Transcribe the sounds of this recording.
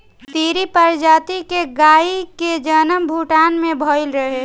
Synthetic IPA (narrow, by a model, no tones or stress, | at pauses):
t̪iːɾipəɾd͡ʒaːt̪ikeɡaːiked͡ʒənəmbʱuːʈaːnmẽbʱoːɪlɾəɦe